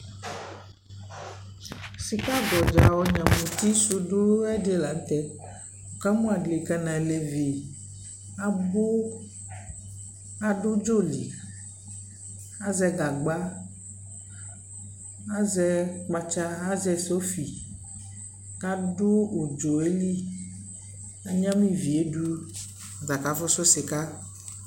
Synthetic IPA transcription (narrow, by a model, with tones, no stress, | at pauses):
si˨ka˦ɡɔ˨d͡ʒa˨wɔ˦ɲã˨mũ˨t̪i˦su˦ɖu˦u˦ɛ˦de˦la˨n˦t̪ɛ˦ | o˨ka˦mũ˦a˨ɖle˨ka˦nã˨le˨ve˨ | a˦bo˦ | a˦ɖu˦d͡ʒo˦˨lḭ˨ | a˦zɛ˦ɡa˨ɡ͡ba˦ | a˦zɛ˦k͡pa˦t͡ʃa˦a˦zɛ˦so˦fi˨ | ka˦ɖo˦wo˨d͡ʒo˨e˦li˦ | a˨ɲã˦mĩ˦vi˨e˦ɖu˦ | a˨za˨ka˨fɔ˦sɔ˦se˨ka˦